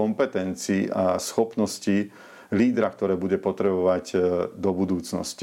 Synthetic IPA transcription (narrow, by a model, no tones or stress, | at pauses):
ɔmpɛt̪ɛnt͡siːʔasxɔpnɔsci | liːd̪ɾak̚t̪ɔɾɛːbuɟɛpɔt̪ɾɛbɔʋaɟd̪ɔbud̪uːt͡snɔ̰sci